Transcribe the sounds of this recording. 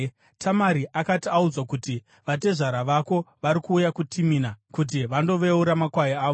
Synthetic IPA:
tʰamaɾiʔakatiaud͡zwakuti | ʋade̞ʐaɾaʋako̞ʋaɾikuːjakutʰiminakut̬iʋando̞ʋe̞uɾamakwajiaːʋo

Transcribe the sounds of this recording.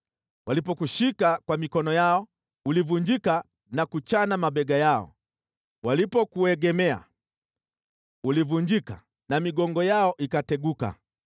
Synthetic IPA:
walipɔkuʃikakwamikɔnɔjaɔ | ulivuɲd͡ʒika | nakut͡ʃanamaɓɛɡajaɔ̰ | walipɔkuɛɡɛmɛa̰ | ulivuɲd͡ʒika | namiɡɔŋɡɔjaɔʔikatɛɡuka̰

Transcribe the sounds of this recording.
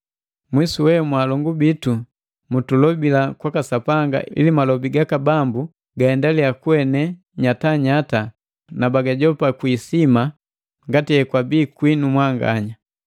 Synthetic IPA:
mwisuwɛmwalɔŋɡubitu | mutulɔbilakwakasapaŋɡa̰ʔḭlimalɔbiɡakabambu | ɡaɛndaliakuɛnɛ | ɲataɲata | nabaɡaɟɔpakwiːsima | ŋɡatiɛkwabiːkwinumwaŋɡa̰ɲa

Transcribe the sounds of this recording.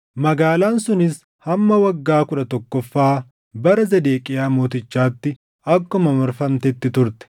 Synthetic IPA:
mɐɡaːlaːnsʊnɪs | hɐmːɐwɐɡːaːkʊᶑɐt̪ɔkːɔfːaː | bɐɾɐzɐd̪eːkʼɪjaːmo̞ːt̪ɪt͡ʃːaːt̪ːɪ | ɐkːɔmɐmɐɾfɐmt̪ɛt̪ːɪt̪ʊɾt̪ɛ̥

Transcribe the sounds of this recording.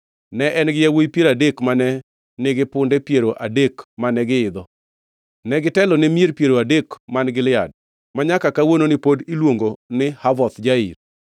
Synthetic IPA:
nɛʔɛnɡɪjawojpjeɾadekmanɛ | nɪɡɪpʊndɛpjeɾoʔadekmanɛɡɪɪd̪ɔ | nɛɡɪtɛlɔnɛmieɾpjeɾoadekmanɡɪlɪad̚ | maɲakakawononɪpodilwoŋɡonɪhavɔt̪d͡ʒaḭɾ

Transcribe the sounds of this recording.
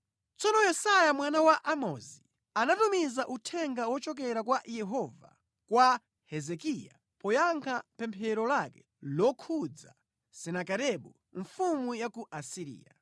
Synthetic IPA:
t͡sɔnɔjɛsajamwanawaʔamɔzi | anatumizaʔutʰɛŋɡawɔt͡ʃɔk̬ɛɾakwajɛɦɔva̰ | kwa | hɛzɛkija̰ | pɔjaŋkʰapɛmpʰɛɾɔlakɛ̥ | lɔkʰud͡za̰ | sɛnakaɾɛɓu | ɱfumujakuʔasiɾḭːja

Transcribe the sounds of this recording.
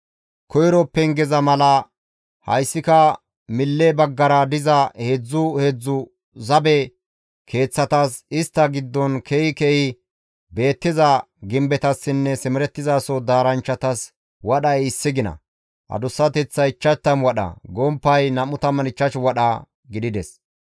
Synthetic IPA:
kɔjɾɔpːɛŋɡɛzɐmɐlɐ | hɐ̰jsːɪkɐ | mɪlːɛbɐɡːɐɾɐd̪ɪzɐhed͡zːʊhed͡zːʊ | zɐbɛ | kʰe̞ːt͡sːɐt̪ɐsɪst̪ːɐɡɪd̪ːɔnkʰɛɪkɛʔɪ | be̞ːt̪ːɪzɐ | ɡɪmbɛt̪ɐsːɪnːɛsɛmɛɾɛt̪ːɪzaːsɔd̪aːɾɐnt͡ʃːɐt̪ɐs | wɐɗɐjɪsːɪɡɪnɐ̰ | hɐ̰d̪ʊsːɐt̪ɛt͡sːɐɪt͡ʃːɐt̪ːɐmwɐɗɐ̰ɡɔmpːɐjnɐmʊt̪ɐmɐnɪt͡ʃːɐʃwɐɗɐ | ɡɪd̪ɪd̪ɛs

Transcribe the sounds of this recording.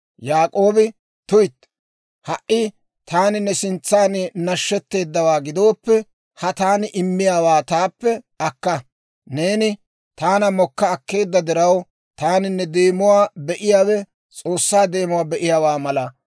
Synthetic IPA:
jaːkʼo̞ːbɪ | t̪ʊjt̪ː | hɐʔɪ | t̪aːnɪnːɛsɪnt͡sːaːnnɐʃːɛt̪ːe̞ːd̪ːɐwaːɡɪd̪o̞ːpːɛ | hɐt̪aːnɪʔɪmːɪjaːwaːt̪aːpːɛ | ɐkːɐ | ne̞ːnɪ | t̪aːnɐmɔkːɐːkːe̞ːd̪ːɐd̪ɪɾɐw | t̪aːnɪnːɛd̪e̞ːmʊwaːbɛʔɪjaːwɛ | t͡sʼo̞ːsːaːd̪e̞ːmʊwaːbɛʔɪjaːwaːmɐlɐ

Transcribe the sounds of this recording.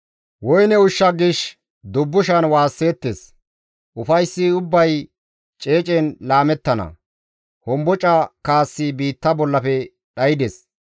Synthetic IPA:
wɔjnɛʊʃːɐɡɪʃ | d̪ʊbːʊʃɐnwaːsːe̞ːt̪ːes | ʔʊfɐjsːɪʊbːɐj | t͡ʃʼe̞ːt͡ʃʼɛnlaːmɛt̪ːɐnɐ̰ | hɔmbɔt͡ʃʼɐkaːsːɪbiːt̪ːɐbɔlːɐfɛ | ɗɐjɪd̪ɛs

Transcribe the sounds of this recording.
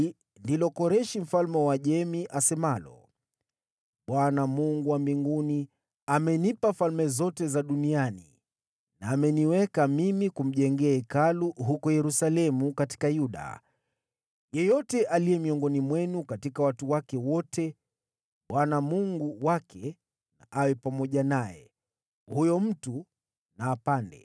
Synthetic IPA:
ndilɔkɔɾɛʃim̩falmɛwaʄɛmiʔasɛmalɔ̰ | ɓwanamuŋɡuwambiŋɡuni | amɛnipafalmɛzɔtɛzaɗunianḭ | naːmɛniwɛkamimikum̩ʄɛŋɡɛaɛkaluɦukɔjɛɾusalɛmukati̥kajuɗa̰ | jɛjɔtɛʔalijɛmiɔŋɡɔnimwɛnukatikawatuwakɛwɔtʰɛ | ɓwanamuŋɡuwakʰɛ | na̰ʔawɛpamɔʄanajɛ̰ | hujɔm̩tu | naːpandɛ̰

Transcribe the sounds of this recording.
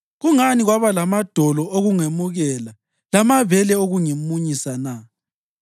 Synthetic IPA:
ɣuŋaniɣwaβalamad̥ʱɔlɔoɣuŋemuɣɛla | lamaβɛlɛoɣuŋimuɲisana

